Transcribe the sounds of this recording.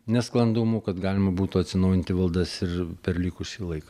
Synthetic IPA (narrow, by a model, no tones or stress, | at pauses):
nʲɛsklˠɐnd̪umukɐt̪ɡɑːlʲɪmɐbuːt̪uɐt̪ʲsʲɪnɐʊjɪnʲt̪ʲɪʋɐlˠd̪ɐsɪrpʲɛrlʲiːkʊsʲiːlˠɐɪkɐ